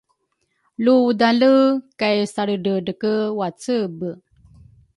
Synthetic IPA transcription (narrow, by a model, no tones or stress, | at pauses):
ludaləkajsaɾəɖəɖəkəwat͡səbə